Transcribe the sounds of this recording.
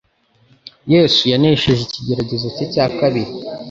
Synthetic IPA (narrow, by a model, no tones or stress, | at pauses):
je̞ːsujaneʃeʒiciɟe̞ɾaɟe̞zocecaːkaβiɾi